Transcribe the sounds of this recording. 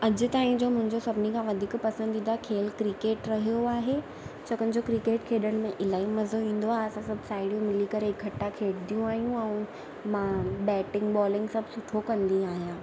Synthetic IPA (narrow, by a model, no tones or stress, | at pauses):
ɐd͡ʑʊ̆t̪aːɦĩd͡ʑoːmʊ̃ɦɪ̃ɲd͡ʑosɐbʱɪnikʰãʋɐd̪ʱiːkpɐsə̃nd̪ĩːnd̪aɦekʰeːlkɾɪkeːʈɾɐɦijoaːɦe | t͡ɕɐkənɪ̆d͡ʑokɾɪkeːʈkʰeːɗəɽ̃̆mẽʔɪlaːimɐzoʋĩːn̆d̪oaːɦeɐsãsɐbʱsaːɪɽijũmɪlikɐɾeɪkʰːɐʈːakʰeːɽd̪ijũaːɦijũɛ̃ | mãbɛːʈɪ̃ŋɡbɔːlɪ̃ŋɡsɐbʱsʊʈʰokɐ̃nd̪iaːɦijãː